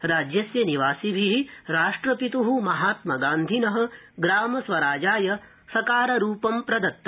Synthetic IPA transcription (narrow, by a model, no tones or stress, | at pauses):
ɾaːd͡ʒjɐsjɐniʋaːsibʱiɦiɾaːʂʈɾɐpit̪uɦumɐɦaːt̪mɐɡaːnd̪ʱinɐɦɐ̆ɡɾaːmɐsʋɐɾaːd͡ʒaːjɐ | sɐkaːɾɐɾuːpɐmpɾɐd̪ɐt̪ːɐ